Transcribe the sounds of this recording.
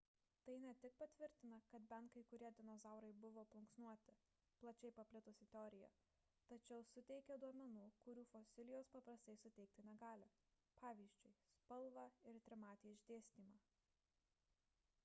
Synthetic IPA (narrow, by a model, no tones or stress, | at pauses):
t̪ɐɪnʲɛt̪ʲɪk̚pɐt̪ʲʋʲɪɾʲt̪ʲɪnɐkɐt̪bʲɛnt̪kɐɪkʊɾʲiɛd̪ʲɪnɔzɑˑʊɾɐɪbʊʋoːplˠʊŋksnuɔt̪ʲɪ | plˠɐt͡ʃʲɛɪpɐpʲlʲɪt̪ʊsʲɪt̪ʲɛɔːɾʲɪjɛ̰ | t̪ɐt͡ʃʲɛʊsʊt̪ʲɛɪkʲɛd̪uɔmʲɛnuːkʊɾʲuːfosʲɪlʲɪjoːspɐpɾɐsʲt̪ɐɪsʊt̪ʲɛɪk̚t̪ʲɪnʲɛɡɑːlʲɪ | pɑːʋʲiːzʲd͡ʒʲʊɪspɐlˠʋɑɪɾt̪ʲɾʲɪmɑːt̪ʲiɪʒʲd̪ʲeːsʲt̪ʲiːmɑː